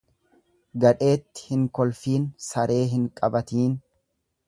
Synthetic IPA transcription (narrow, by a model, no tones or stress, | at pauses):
ɡɐᶑe̞ːt̪ːɪ̥hɪŋkɔlfiːnsɐɾʔe̞ːɦɪŋkʼɐbɐt̪iːn